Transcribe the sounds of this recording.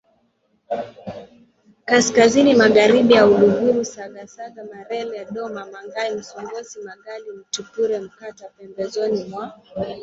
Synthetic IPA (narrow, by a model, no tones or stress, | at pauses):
kaskazinimaɣaɾiɓijauluɣuɾusaɡasaɡamaɾɛlɛaɗɔmamaŋɡaim̩sɔŋɡɔsimaɡalim̩tupuɾɛm̩katapɛmbɛzɔnimwa